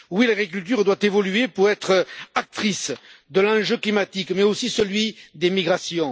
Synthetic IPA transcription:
wilaɡʁik̬ylt̪yʁd̪wat̪evɔlyepuʁɛt̪χak̚t̪χisd̪əlɑ̃ʒøklimat̪ikmɛosisəlɥid̪emiɡʁasjɔ̃

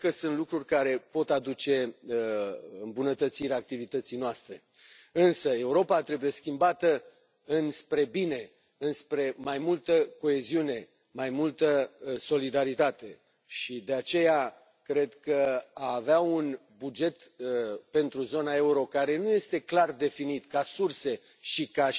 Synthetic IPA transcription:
kəsunt̪lukɾurʲkaɾe̞po̞t̪ad̪ut͡ʃe̞ | ɨmbunət̪ət̪siɾʲaːk̚t̪ivit̪ət̪sijnoast̪ɾe̞ | ɨnsəe̞uɾo̞pat̪ɾe̞buje̞skʲimbat̪ə | ɨnspɾe̞bine̞ | ɨnspɾe̞majmult̪əko̞e̞ziune̞ | majmult̪əso̞lid̪aɾit̪at̪e̞ | ʃid̪e̞at͡ʃe̞ja | kɾe̞d̪kəaːveaun | bud͡ʒe̞t̪pe̞nt̪ɾuzo̞nae̞uɾo̞kaɾe̞nuje̞st̪e̞klard̪e̞finit̪kasurse̞ | ʃika

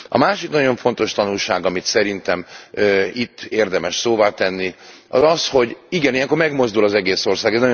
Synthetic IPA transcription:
ɒ̰maːʃiknɒɟo̞ɱfo̞nt̪o̞ʃt̪ɒnulʃaːɡɒmit̪sɛɾint̪ɛmøit̪ːeːrd̪ɛmɛʃsoːvaːt̪ɛnːi | ɒ̰zɒsho̞ɟiɡɛnijɛŋkormɛɡmo̞zd̪ulɒzɛɡeːso̞rsaːɡɛnɒ

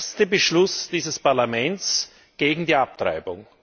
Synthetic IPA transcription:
stəbəʃlʊsd̥iːzəspaɐlamɛnt͡s | ɡ̥eːɡŋ̩diːap̚tʁa̰ɪbʊŋ

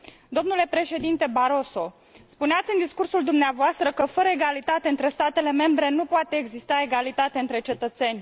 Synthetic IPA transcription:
d̪o̞mnule̞pɾe̞ʃe̞d̪int̪e̞baɾo̞so̞ | spuneat̪sʲɨnd̪iskursuld̪umneavoast̪ɾəkəfəɾəeɡalit̪at̪e̞ɨnt̪ɾe̞st̪at̪e̞le̞me̞mbɾe̞nupoat̪e̞ːɡzist̪ae̞ɡalit̪at̪eɨnt̪ɾe̞t͡ʃe̞t̪ət̪se̞nʲ

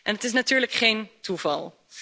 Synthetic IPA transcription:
ʔɛnɦətɪs̬natyːɹləkχejntuvɑ̰lˠ

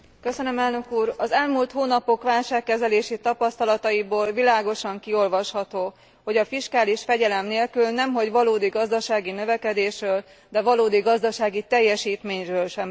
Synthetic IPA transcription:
køsønømɛlnø̞kuːrɒzɛlmult̪hoːnɒpo̞kʋaːlʃaːkːɛzɛleːʃit̪ɒpɒst̪ɒlɒt̪ɒiboːlvilaːɡo̞ʃɒŋkio̞lvɒʃhɒt̪oː | ho̞ɟɒfiʃkaːliʃfɛɟɛlɛmneːlkylnɛmɦo̞ɟʋɒloːd̪iɡɒzd̪ɒʃaːɡinøvɛkɛd̪eːʃrøːl | d̪ɛvɒloːd̪iɡɒzd̪ɒʃaːɡit̪ɛjːɛʃiːt̪meːɲrøːlʃɛm

